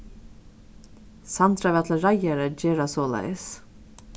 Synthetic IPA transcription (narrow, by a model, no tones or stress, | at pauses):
sant̪ɾavɛt̪ʰlaɾajaɾəd͡ʒeːɾasɔːla̰js